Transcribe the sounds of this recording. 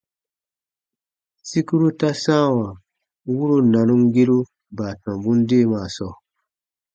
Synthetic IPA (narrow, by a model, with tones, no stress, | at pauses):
si˦ku˦ɾu˦ta˦sãː˦˨wã˨ | wu˦ɾo˦nã˨nũ˦ŋɡe˦ɾu˦ | baː˨tɔ̃˨bũ˦n˦deː˦˨maː˨sɔ˦˨